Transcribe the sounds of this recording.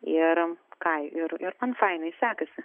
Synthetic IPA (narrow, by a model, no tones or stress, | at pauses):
ɪɾkɐɪɪɾɪɾmɐnfɐɪnɐɪsʲæːkɐsʲɪ